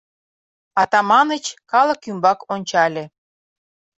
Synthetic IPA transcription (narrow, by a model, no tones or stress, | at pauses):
ɑt̪ɑmɑnət͡ɕkɑlə̆kymbɑkonʲt͡ɕɑlʲĕ